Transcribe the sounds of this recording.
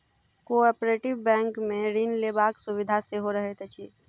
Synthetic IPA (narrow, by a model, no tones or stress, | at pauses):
koːɔpɾeːʈɪʋbɛ̃ːŋkmẽɾinlebaːksuʋɪd̪ʱaseɦoɾəɦet̪et͡ʃʰi